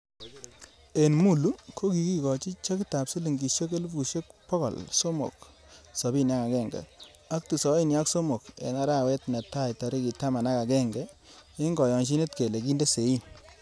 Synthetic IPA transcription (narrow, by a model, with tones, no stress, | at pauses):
e˨nmu˦˨lu˦kʰo˦ki˨ki˦kɔ˨t͡ʃi˦t͡ʃe˦ki˦ta˨psi˦li˨ŋɡi˨ʃe˦ke˦lu˦bu˨ʃe˦kpɔ˦kɔ̰˨lso˦mo̰˨k | sɔ˨bi˦nja˦ka˨kɛ˦˨ŋɡɛ̰˨ | a˦k̚tu˨sɔ˨˦i˦˨nja˦kso˦mo˨kḛ˨na˦ɾa˦˨wɛ˦tnɛ˨ta˦jtɔ˨ɾi˦ki˨ta˦ma˨na˦ka˨kɛ˦ŋɡɛ˦e˦ŋɡɔ˨jɔ˨ŋʃ̬i˦ne˦tke˨le˨ki˦nde˦se˨i˦n